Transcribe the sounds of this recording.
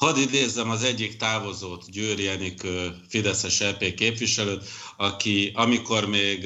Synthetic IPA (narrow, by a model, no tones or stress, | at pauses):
hɒd̪id̪eːzːɛmɒzɛɟːikt̪aːvo̞zoːt̪ɟyːɾijɛnikøːfid̪ɛsɛʃɛːpeːkeːpʋiʃɛløːt̪ɒkiʔɒmiko̞rmeːɡ